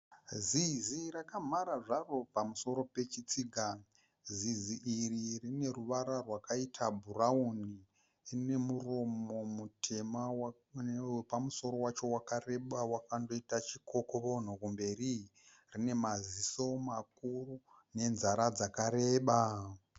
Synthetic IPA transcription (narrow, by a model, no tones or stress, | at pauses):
zizirakam̤aɾaʐaro̞pamuso̞ɾo̞pe̞t͡ʃit͡siːɡʱa | ziziʔiririne̞ruʋaɾarwakaitʰabʱurauni | ine̞muro̞mo̞mutʰe̞ma | epamuso̞ɾo̞wat͡ʃo̞wakare̞ɓawakando̞itat͡ʃiko̞koβo̞n̤okumbe̞ri | rine̞maziso̞makuru | ne̞nzaɾad͡zakaɾe̞ːɓa